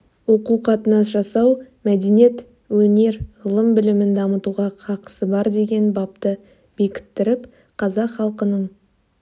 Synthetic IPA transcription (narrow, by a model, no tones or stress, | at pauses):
wo̞quqʰɑt̪ənɑsʒɑsɑwmæd̪e̞ne̞t̪ | wɵne̞ɾʁəlˠəmbɪlɪmɪnd̪ɑmət̪uʁɑqʰɑqə̥səbɑɾd̪e̞ɡʲe̞nbɑp̚t̪ə | b̥e̞kʲɪ̥t̪ːɪɾɪp | qʰɑzɑqχɑlˠqənəɴ